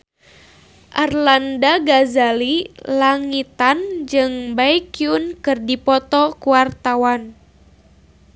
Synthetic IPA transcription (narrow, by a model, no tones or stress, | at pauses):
ʔarlandaɡazalilaŋit̪and͡ʒɨŋbaikiunkɨrdipɔt̪ɔkuwart̪awan